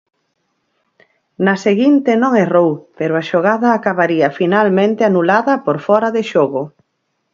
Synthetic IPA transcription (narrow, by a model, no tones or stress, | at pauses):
nɐseɣint̪enõŋɛrowpeɾoaʃoɣaðɐːkaβaɾiɐfinalmẽnt̪eanulaðɐpoɾfɔɾɐðeʃoɣʊ